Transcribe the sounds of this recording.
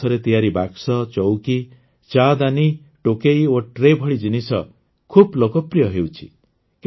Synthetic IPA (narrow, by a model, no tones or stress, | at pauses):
ɔɾet̪ijaɾibaksɔt͡ʃɔwki | t͡ʃad̪ani | ʈokejoʈɾebʱɔɭid͡ʒinisɔ | kʰublokɔpɾijɔɦewt͡ʃʰi̥̰ | k